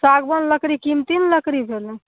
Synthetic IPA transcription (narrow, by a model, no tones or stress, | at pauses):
saɡbənləkɾikimt̪inləkɾibʱelɛ̃